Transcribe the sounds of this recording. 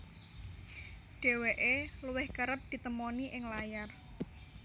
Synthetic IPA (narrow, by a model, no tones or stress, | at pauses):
ɖ̥e̤weʔeluwɪhkəɾəp̚d̪̥i̤t̪əmɔniʔɪŋlajar